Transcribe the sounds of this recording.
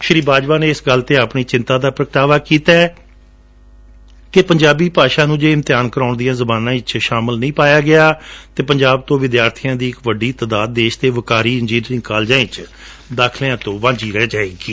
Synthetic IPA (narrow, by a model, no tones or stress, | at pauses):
ʃɾiːbaːd͡ʒʋaːnẽːɪsɡəlt̪eːaːpɳiːt͡ʃɪnt̪ãːd̪aːpɾəkʈ̪aːʋaːkiːt̪aɛ | kepəɲd͡ʒaːbiːpaːʃaːnũːd͡ʒeːɪmt̪ɪjaːnkəɾaːʊɳd̪ijãːzəbaːnãːɪt͡ʃʃaːmɪlnĩːpaːjaːɡɪaːt̪eːpəɲd͡ʒaːb̚t̪õːʋɪd̪jaːɾt̪ʰijãːd̪iːɪkʋəɖiːt̪ad̪aːd̪̚ːeːʃt̪eːʋəkaːɾiːɪnd͡ʒiːnːɾɪ̃ŋɡkaːld͡ʒãːɪ̃t͡ʃ | d̪aːkʰleãːt̪õːʋãːd͡ʒiːɾɛːd͡ʒaːeːɡiː